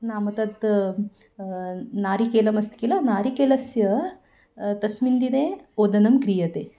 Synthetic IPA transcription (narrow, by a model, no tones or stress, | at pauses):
naːmɐt̪ɐt̪ | naːɾikeːlɐmɐst̪ikilɐnaːɾikeːlɐsjɐ | t̪ɐsmind̪ineːoːd̪ɐnɐmkɾijɐt̪eː